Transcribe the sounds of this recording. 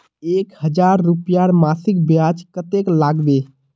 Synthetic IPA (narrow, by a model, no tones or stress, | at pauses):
eːkhəd͡ʒaɾːupijaɾmasɪk̚bjad͡ʒkət̪eklaːɡbe